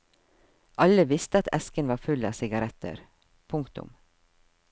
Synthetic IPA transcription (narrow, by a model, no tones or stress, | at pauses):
ʔɑləʋɪst̪əɑt̪ʰɛ̰skənʋɑːfʉlɑ̰ːsɪɡɑɾɛt̪ə̰ɾ | pʰʊŋkt̪ʊ̰m